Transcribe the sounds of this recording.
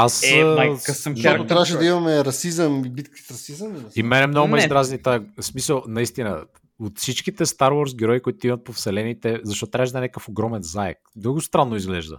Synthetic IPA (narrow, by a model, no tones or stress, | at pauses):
asmajkɐsəmk̪ot̪ɾʲavəʃ̬ɛd̪ɐimɐmɛɾɐsizəmibit̪kə̥t̪ɾɐsizəmimɛnɛmnoɡʊmɛizd̪ɾaznit̪asmisəlˠnɐist̪inə̰ | ot̪fsit͡ʃk̟it̪ɛst̪aɾwɔɾs̬ɡɛɾɔikoit̪oimɐt̪̚pofsɛlɛnit̪ɛzɐʃt̪ɔt̪t̪ɾaʒd̪ɐnɛkəfoɡɾɔmɛnzaɛ̰kd̪ɤɡʊst̪ɾanːʊizɡlɛʒd̪ə̰